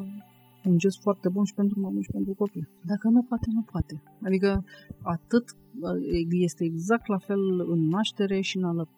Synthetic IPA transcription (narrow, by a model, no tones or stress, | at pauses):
und͡ʒesfoart̪e̞bunʃi̥pe̞nt̪ɾumamunʃi̥pe̞nt̪ɾuko̞pid̪akənupoat̪e̞nupoat̪e̞ | ad̪ikəat̪ɨt̪ | eje̞st̪e̞ːɡzak̚t̪lafe̞lɨnːaʃt̪e̞ɾe̞ʃiɨnaləp